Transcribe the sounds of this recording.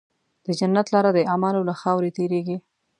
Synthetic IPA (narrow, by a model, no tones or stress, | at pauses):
d̪̥əd͡ʒanːat̪lɑɾad̪əʔamalolaxɑwɾet̪eɾeɡi